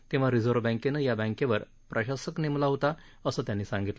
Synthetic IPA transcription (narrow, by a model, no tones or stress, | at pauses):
t̪ẽʋ̤aɾid͡zoɾʋbə̃kenəjabə̃kẽʋəɾ | pɾəɕasəknemlaɦot̪a | əsəːt̪janːiːsãŋɡit̪lə